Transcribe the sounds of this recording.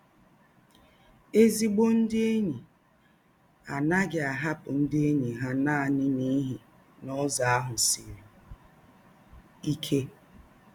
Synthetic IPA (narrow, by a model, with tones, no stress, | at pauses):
e˦zi˦ɡ͡bo˦n̩˦dɪ˦e˦ɲi˨ | a˨na˦ɡɪ˨a˨ɦa˦pʊ˨n̩˦dɪ˦e˦ɲi˨ɦa˦na˦a˨nɪ˦ni˦ɦi˨ | nɔ˦za˨a˦ɦʊ˨si˨ɾi˨ | i˦kʰe˦